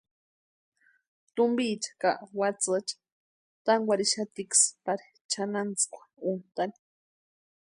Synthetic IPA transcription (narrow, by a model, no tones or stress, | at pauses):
t̪umbit͡ʃḁkaʔwat͡sat͡ʃḁ | t̪aŋɡʷaɾiʃat̪ikspaɾi̥ | t͡ʃʰanant͡skʷḁunt̪ani̥